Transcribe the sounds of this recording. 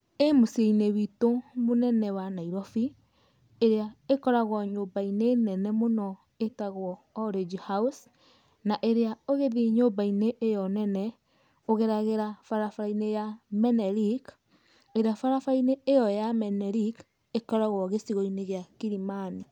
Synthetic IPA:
emoseineβitomonɛnɛwanaiɾɔfi | eɾeaekɔɾaɣwɔɲobainenɛnɛmonɔ | etaɣwɔːɾed͡ʒihaus | naʔeɾeaoɣeðiɲobaineʔːjɔnɛnɛ | oɣeɾaɣeɾafaɾafainejamɛnɛɾik | eɾeafaɾafaineːjɔjamɛnɛɾik | ekɔɾaɣwɔɣesiɣɔineɣjakiɾimani

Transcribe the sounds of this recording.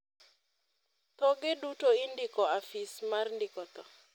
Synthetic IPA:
t̪ɔɡɪdutoindɪkɔafismarndɪkɔt̪ɔ

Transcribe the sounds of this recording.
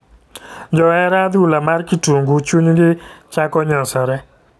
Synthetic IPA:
d͡ʒɔɛɾad̪ulamarkituŋɡut͡ʃuɲɡɪt͡ʃakɔɲɔsɔɾɛ

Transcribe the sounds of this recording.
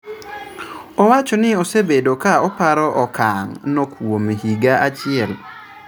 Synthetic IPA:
ɔwat͡ʃɔnɪosebedokaɔpaɾɔʔɔkaŋnokʰwomiɦiɡaʔat͡ʃɪɛl

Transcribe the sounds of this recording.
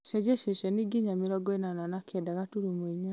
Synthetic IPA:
ʃɛd͡ʒɛʃɛʃɛniɡiɲamiɾɔɡɔenananakʰɛdaɣatuɾumwiɲa

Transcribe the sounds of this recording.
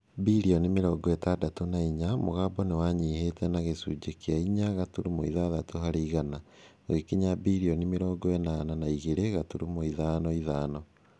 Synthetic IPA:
biɾiɔnemeɾɔːɡɔɛtadatonaiɲamo̰ɣaːbɔnewaɲiːhetɛnaɣesuːd͡ʒekeaiɲaɣatuɾumoiðaðatoɦaɾiːɣana | oɣekiɲabiɾiɔnemeɾɔːɡɔɛnananaiɣeɾeɣatuɾumoiðaːnɔiðaːnɔ

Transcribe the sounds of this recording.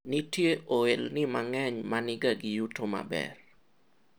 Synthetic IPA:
nɪtjeʔoelnɪmaŋɛɲmanɪɡaɡɪjutoma̰bɛ̰r

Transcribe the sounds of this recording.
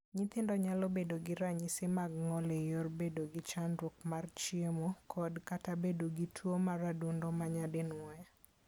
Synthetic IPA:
ɲɪt̪ɪndɔɲalobedoɡɪɾaɲɪsɪmaɡŋɔlejorbedoɡɪt͡ʃanɾok̚mart͡ʃiemokʰɔdkatabedoɡitʰwomaɾadundɔmaɲadɪnwɔja

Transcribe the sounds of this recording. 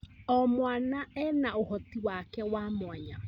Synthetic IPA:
ɔmwanaɛnaohɔtiwakɛwaːmwaɲa

